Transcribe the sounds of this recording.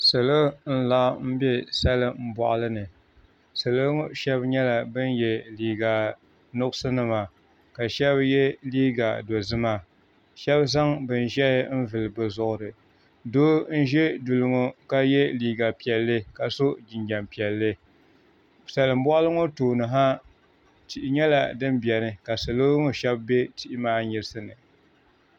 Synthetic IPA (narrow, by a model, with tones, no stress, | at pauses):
sɨ˨lo˦n̩˦la˦m̩˦bɛ˦sa˦lɨ˦m̩˦bɔ˨ʔlɨ˦nɨ˨ | sɨ˨lɨ˦ŋo˦ʃɛ˦bɲɛ˦la˨bɨ˦njɛ˨liː˨ɡa˨ | nʊ˦kʊ˦sɨ˦nɨ˨ma˨ | ka˨ʃɛ˦bjɛ˦liː˦ɡa˨do˨zɨ˦ma˦ | ʃɛ˦bza˦ŋbɨ˨n˨ʒɛ˦m̩˦vɨ˨lɨ˨bɨ˨zʊ˨ʔʊ˨ɾɨ˨ | doː˦n̩˦ʒɛ˦du˨lɨ˨ŋo˦ka˦jɛ˦liː˨ɡa˨pi˨ɛ˨lːɨ˦ka˨so˦d͡ʒɪ˨ɲd͡ʒa˨mpi˨ɛ˨lːɨ˦ | sa˨lɨ˨m̩˦bɔ˦ʔlɨ˦ŋo˦toː˨nɨ˨ɦa˦ | ti˨ʔɪ˨ɲɛ˦la˨dɨ˦mbɛ˨nɨ˦ka˨sɨ˨lo˦ŋo˨ʃɛ˦bbe˦ti˦ʔɪ˦maː˦ɲɪ˨ɾɨ˦sɨ˦nɨ˨